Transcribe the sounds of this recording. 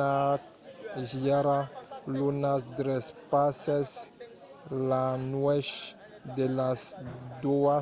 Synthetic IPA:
at̪ | ʒiaɾalunasd̪ɾɛspasɛs | lanwɛʃ | d̪elasd̪ua

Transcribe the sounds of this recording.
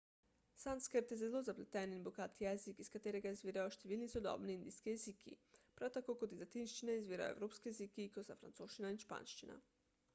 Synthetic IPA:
sanskəɾt̪jɛzɛlozaplɛt̪ɛninboɡaːt̪jɛzikiskat̪eːɾɛɡaizʋiːɾajoʃt̪eʋiːlnisod̪ɔ̰bniind̪iskijezikʰḭpɾawt̪akokot̪izat̪inʃt͡ʃinaizʋiːɾa̰jo̰ḛwɾoːpskijezikikosafɾa̰nt̪soːʃt͡ʃinainʃpa̰ːnʃt͡ʃina̰

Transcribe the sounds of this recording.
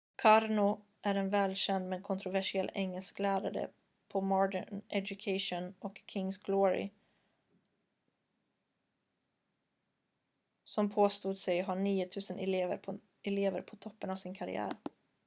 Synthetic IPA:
kʰɑɾnʊ | ʔæɾɛnvɛːlɕɛnd̪mɛnkʰʊnt̪ʰɾʊvæʂɪɛlːɛŋːəlskleːd̪aɾə̰ | pʰɔmɑːɖəɳʔɛdʊkʰeɪʂʊnʔɔkʰːɪŋsɡloːɹɪ̰ | sɔmpʰoːst̪uːd̪sɛɪɔɦɑɳiːʊt̪ʰʉ̟ːsənʔɛ̰leːvə̰ɾʰ | ɛleːvə̰ɾpʰɔt̪ʰɔpːənɑʋsɪnkʰaɾɪ̰æ̰ːɾ

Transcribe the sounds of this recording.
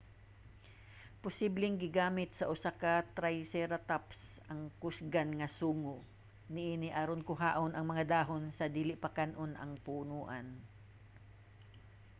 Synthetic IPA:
pʊsiblɪŋɡɪɡaːmɪt̪̚sɐʔʊsakat̪ɾajsɛɾɐt̪aps | ɐŋkʊsɡanŋɐsuːŋo | nɪʔiːnɪʔaɾonkʊɦa̰ːʔonʔɐŋmɐŋad̪aːɦonsɐd̪iːlɪʔpɐkanʔonʔɐ̰ŋpuʔʊnuːʔɐn

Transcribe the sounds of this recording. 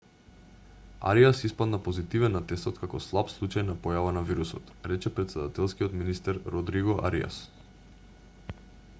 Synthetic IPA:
a̰ɾiasispad̪napozit̪ivɛnːat̪ɛst̪ɔt̪kakɔslˠapslˠut͡ʃajnapɔjavanaviɾusɔt̪ɾɛt͡ʃɛpɾɛt̪sɛd̪at̪ɛlˠskiɔt̪minist̪ɛɾɾɔd̪ɾiɡɔʔa̰ɾḭa̰s

